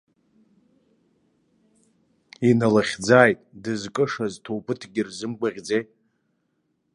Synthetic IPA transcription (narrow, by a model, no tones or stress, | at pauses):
inalaχʲd͡zaːjtʼdɨzkʼɨʂaztʰowpʰʼɨtʰɡʲɪrzɨmɡʷaʁʲd͡zejʼ